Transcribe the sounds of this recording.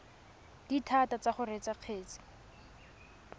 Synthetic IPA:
d̥itʰatat͡saχʊret͡saq͡χʰeːt͡si̥

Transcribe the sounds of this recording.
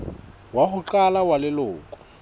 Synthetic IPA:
wahʊǃalawalɪlʊːkʼɔ̥

